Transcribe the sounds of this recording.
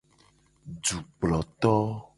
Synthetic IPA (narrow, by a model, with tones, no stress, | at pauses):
d͡ʒu˨k͡plɔ˨t̪ɔ˦